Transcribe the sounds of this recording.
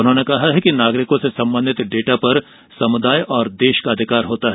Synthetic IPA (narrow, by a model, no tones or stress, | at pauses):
ʊnɦõnekɐɦaɦɛkinaːɡɾɪkõsesɐ̃mbə̃nd̪ʱɪt̪ɖeːʈapɐɾ | sɐmʊd̪aːjʔɔːɾd̪eːʃkaɐd̪ʱɪkaːɾɦoːt̪aɦɛː